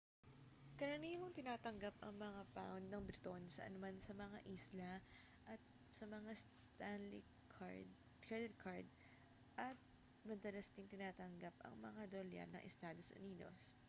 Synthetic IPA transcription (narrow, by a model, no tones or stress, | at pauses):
kɐɾɐniːloŋt̪ɪnaːt̪ɐŋɡapɐŋmɐŋapa̰wnd̪̚nɐŋbɾɪt̪o̞nsɐ̰ʔɐ̰nʊmansɐmɐŋa̰ʔiːslɐ | ʔɐt̪̚ | sɐmɐŋast̪anlɪ̰ | kʰad̪ɛd̪̚kʰaɹd̪̚ | ʔɐt̪̚ | mɐd̪ɐlɐsd̪ɪŋt̪ɪnaːt̪ɐŋɡapɐ̰ŋmɐŋad̪oljɐ̰nɐ̰ŋʔɛ̰st̪aːd̪o̞sʔʊ̰niːd̪o̞̰s